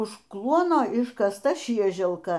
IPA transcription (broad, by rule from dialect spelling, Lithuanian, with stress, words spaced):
ʊʃ ˈklˠuɔnoː ɪʃkɐsˈtɐ ˈʃʲiɛʒʲɛlˠkɐ